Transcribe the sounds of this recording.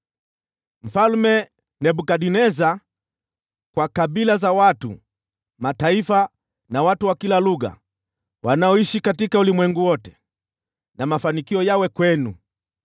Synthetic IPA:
m̩falmɛ | nɛɓukaɗinɛza | kwakaɓilazawatṵ | mataifa | nawatuwakilaluɣa̰ | wanaɔiʃikatikaulimwɛŋɡuwɔtɛ̥ | namafanikiɔjawɛkwɛnṵ

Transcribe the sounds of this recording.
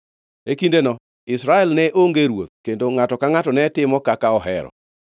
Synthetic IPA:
ekindenɔ | ɪsɾaɛlnɛʔoŋɡeɾwot̪̚kendoŋatɔkaŋatɔnɛtɪmɔkakaɔɦɛ̰ɾɔ̰

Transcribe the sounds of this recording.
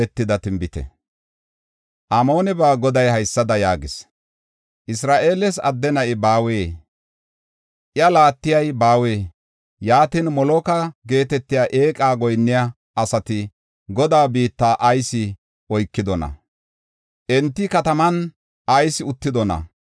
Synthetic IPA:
ɛt̪ːɪd̪ɐt̪ɪmbɪt̪ɛ̰ | ʔamo̞ːnɛbaːɡɔd̪ɐjhɐjsːɐd̪ɐjaːɡɪs | ʔɪsɾaːʔe̞ːlɛsɐ̰d̪ːɛnɐʔɪbaːweː | ʔɪɐlaːt̪ːɪjɐjbaːweː | jaːt̪iːnmɔlɔkɐɡe̞ːt̪ɛt̪ːɪjaʔe̞ːkʼaːɡɔjnːɪja | ʔɐsɐt̪ɪ | ɡɔd̪aːbiːt̪ːaːʔɐjsɪ | ɔjkːɪd̪ɔnɐ̰ | ʔɛnt̪ːɪkɐt̪ɐmɐn | ʔɐjsɪʊt̪ːɪd̪ɔnɐ̰

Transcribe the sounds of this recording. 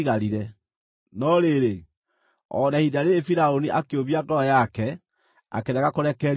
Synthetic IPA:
ɣaɾiɾɛ | nɔɾeɾe | ɔ̰nahidaɾeːfiɾaoniʔakeoβiatɔjakɛ | a̰keɾɛɣakoɾɛkɛɾ

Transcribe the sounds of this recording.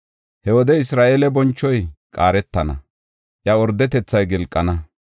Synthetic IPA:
hɛwɔd̪ɛɪsɾaːʔelɛbɔnt͡ʃːɔjkʼaːɾɛt̪ːɐnɐ̰ | ʔjɐɔɾd̪ːɛt̪ɛt͡sːɐjɡɪlkʼːɐnɐ

